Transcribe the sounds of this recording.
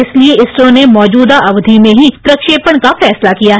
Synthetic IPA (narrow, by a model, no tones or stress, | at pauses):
ɪslieɪsɾõnemɔːd͡ʒuːd̪aʔɐʋd̪ʱimẽɦip̪ɾɐkʃeːpəɽ̃kafɛːslakijaːɦ